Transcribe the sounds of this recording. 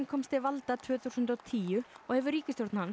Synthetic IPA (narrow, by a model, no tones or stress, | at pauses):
nkʰɔmst̪ɪvalt̪at̪ʰvʏːθuwsʏnt̪ɔwt̪ʰiːjʏɔɣhɛvʏɾiːcɪst̪jowɾt̪nhan